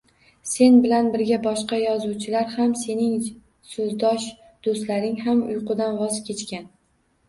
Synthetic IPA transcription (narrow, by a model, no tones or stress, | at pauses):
se̞nbɪlanbɪɾɡʲabɒʃqɑjɒzuwt͡ʃʰɪlaɾhamse̞nɪŋ | sɵzd̪ɒʃ | d̪̥ost̪laɾɪŋhamʊjqʰʊd̪anvɒzkʲe̞t͡ʃkʲan